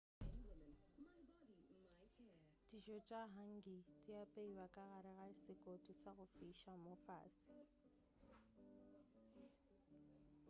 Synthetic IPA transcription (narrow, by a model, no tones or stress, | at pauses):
tʼiʃɔt͡ʃʼaɦaŋɡitʼijapʼeiwakʼaɣaɾɛɣasɪkʼotʼisaɣʊfiʃamɔfa̰ːsi̥